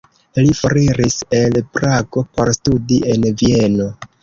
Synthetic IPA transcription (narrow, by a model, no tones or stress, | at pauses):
lifo̞ɾiɾise̞lpɾaɡo̞po̞ɾstudie̞nvie̞no